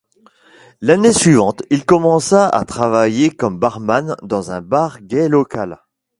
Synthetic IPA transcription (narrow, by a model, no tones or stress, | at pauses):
lanesɥivɑ̃t̪ilkɔmɑ̃saʔa̰t̪χavajekɔmbaʁmand̪ɑ̃zɛ̃baʁɡɛlɔkal